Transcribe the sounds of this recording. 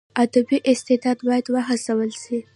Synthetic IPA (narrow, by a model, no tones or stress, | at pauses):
ad̪abiʔɪst̪ɪd̪ɑd̪bɑjad̪waɦasawəlsi